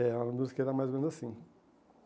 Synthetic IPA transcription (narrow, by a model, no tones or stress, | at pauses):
ɛẽd̪ũskɛɾamajzomẽnuzasĩ